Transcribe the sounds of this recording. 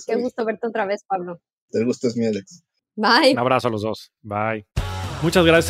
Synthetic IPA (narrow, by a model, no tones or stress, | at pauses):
keɣust̪oβe̞ɾt̪eot̪ɾaβe̞spaβlo | t̪eɣust̪oezmjeðeks | bajnaβɾasoalo̞zðo̞s | bajmut͡ʃazɣɾas